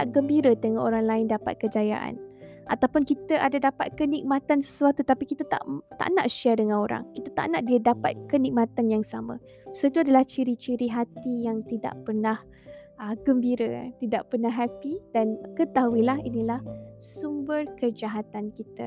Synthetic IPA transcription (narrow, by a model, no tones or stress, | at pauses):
t̪aʔɡəmbiɾət̪əŋaʔoɾaŋlaɪndapa̰t̪̚kəd͡ʒaja̰ʔa̰n | ʔa̰t̪awpʊnkit̪əʔadadapat̪̚kənik̚mãt̪ansə̥suat̪ut̪apikit̪ət̪a̰ʔt̪a̰ʔna̰ʔʃɛdəŋãnoɾa̰ŋkit̪at̪a̰ʔnaʔdiədapa̰t̪̚kənik̚mat̪anjaŋsamã̰ | soit̪uadalaht͡ʃiɾit͡ʃiɾiɦat̪ijaŋt̪ida̰ʔpərnah | əɡəmbiɾə̰t̪ida̰ʔpərnaɦɛpidankət̪aɦuilaɦinilahsumbərkəd͡ʒaɦat̪ankit̪ə̰